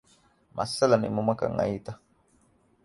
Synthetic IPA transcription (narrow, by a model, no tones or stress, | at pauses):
mʔa̰salanḭmumaka̰ŋa̰ita